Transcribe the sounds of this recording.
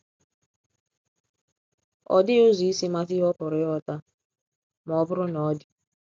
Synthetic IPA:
ɔ̰˨dɪ˦o˦zi˨i˦si˦ma˦ti˦ɦɔ˦pʊ˨ɾɪ˦ɔ˦ta˦ | m˨ɔ˨˦bʊ˦ɾʊ˦nɔ˨˦dɪ˨

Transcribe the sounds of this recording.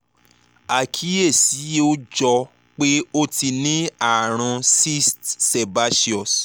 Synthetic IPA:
a˨kʰi˨˦e˦˨si˨˦o˦d͡ʒɔ˧ | k͡pe˦o˦ti˧nĩ˦a˦˨ɾ̃ã˧si˦stse˨ba˦ʃi˦ɔ˨s

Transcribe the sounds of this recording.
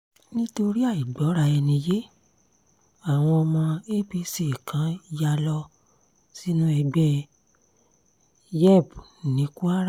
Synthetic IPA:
nĩ˦to˧ɾi˦a˦˨i˨ɡ͡bɔ˨˦ɾa˧ɛ˧nĩ˧je˦ | a˨w̃ɔ̃˧mã˧e˦bi˧se˨i˨kʰã˨˦ja˧lɔ˦ | si˦nũ˦ɛ˧ɡ͡bɛ˦ | jɛ˦˨bnĩ˨˦ku˦a˦ɾa˦˨

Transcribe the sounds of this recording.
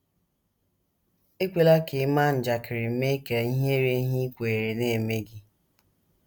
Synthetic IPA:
e˦kʷe˨la˦ke˨˦ma˦n̩˨d͡ʒa˨kɪ˨ɾɪ˨m̩˨˦me˦ke˨i˦ɦe˦ɾe˦ɦi˦kʷe˨ɾe˨ne˦˨me˦ɡɪ˦

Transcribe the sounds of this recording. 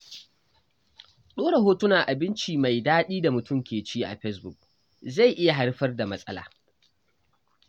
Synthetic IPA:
ɗoː˦ɽe˨ɦoː˦tʊ˦na˨ʔa˨bɪ˦nt͡ʃiː˨ma˨jdaː˦ɗiː˦da˨mʊ˨tʊ˦mkʲeː˨t͡ʃiː˦ʔa̰˨ɸɛ˦s̬bʊ˨k̚ | za˦˨jʔɪ˦ja˨ɦa˦ɽɸɐ˦rda˨mɐ˦sʼɐ̰˦la̰ː˨

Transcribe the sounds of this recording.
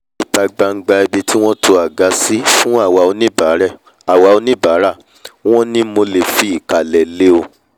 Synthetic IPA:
i˨ta˧ɡ͡ba˧ŋ̩˨˦ɡ͡ba˧i˧bi˧ti˦w̃ɔ̃˦tʰo˧a˨ɡa˨˧˦si˦fũ˦a˦˨wa˨o˧nĩ˦˨ɾɛ˦˨ | a˨wa˨˧o˧nĩ˦baː˨˦ɾa˦˨ | w̃ɔ̃˦nĩ˦mo˧le˨fi˨˦i˦˨ka˨lɛ˨le˦o˧

